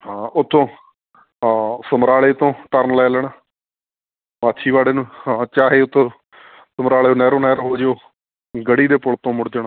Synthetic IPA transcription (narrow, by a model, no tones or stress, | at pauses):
ɦãːʊt̪ʰːõː | səmɾaːleːt̪õːʈəɾnlɛːlɛːɳaː | maːt̪ʃʰiːʋaːɽeːnũːhãːt͡ʃaːɦeːʊt̪ʰːõː | səmɾaːɭeːonɛːɾõːnɛːɾɦoːd͡ʒoː | ɡəɽiːd̪eːpʊɭt̪õːmʊɽd͡ʒ̪əɳa